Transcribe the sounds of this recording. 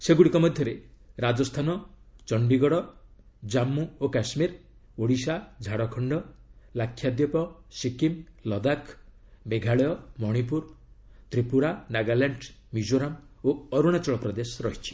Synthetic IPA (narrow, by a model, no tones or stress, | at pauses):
seɡuɽikɔmɔd̪ʱjɔɾeɾad͡ʒɔst̪ʰanɔt͡ʃɔɳɖiɡɔɽɔ | d͡ʒamːuokasmiɾoɽisad͡ʒʱaɽɔkʰɔɳɖɔlakʰːjad̪jɔpɔsikimlɔd̪akʰ | beɡʱaɭɔjɔmɔɽ̃ip̬uɾt̪ɾipuɾanaɡalaɳɖmid͡ʒoɾamoɔɾuɽ̃at͡ʃɔɭɔpɾɔd̪esɔɾɔɦit͡ʃʰi̥